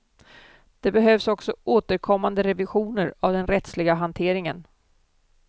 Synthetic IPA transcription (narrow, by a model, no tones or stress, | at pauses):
d̪̥ɛbɛɦœːvsɔksɔʔoːt̪əɾkʰɔmːand̪əɾɛvɪɧuːnəɾavd̪ɛnɾɛt̪slɪɡaɦant̪ʰeːɾɪŋən